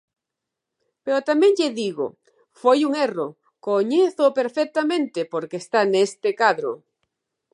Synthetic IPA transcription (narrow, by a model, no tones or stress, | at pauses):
peɾot̪amẽŋʎeðiɣo̰ | fojuŋero | koɲeθopeɾfek̚t̪amẽnt̪ɪpoɾkest̪anest̪ekaðɾo̰